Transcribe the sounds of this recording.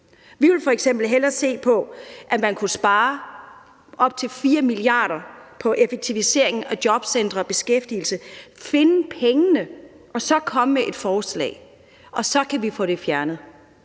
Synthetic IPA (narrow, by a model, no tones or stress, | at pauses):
ʋiʋe̝lfɒ̽eɡ̥sem̰b̥l̩ɦelɐse̝̰ːpʰɒ̽ʔæmænkʰusb̥ɑ̈ː | ʔɒ̽b̥̚t͡sʰe̝lfiːɐmiliɑ̰̈ːɾ̥ɐpʰɒ̽ʔe̝fe̝ɡ̥̚t͡sʰiʋise̝ɐ̰eŋ̩ɒd̥jɒ̽b̥send̥ʁɐb̥e̝sɡ̥efd̥il̩səfe̝nəpʰeŋənə | ʔɒ̽sɒ̽kʰɒ̽məmeʔe̝d̥fɒːslɛ̰ːɪ | ʔɒ̽sɒ̽kʰæʋifɔ̰ɾ̥e̝fjæɐnð̩ˠ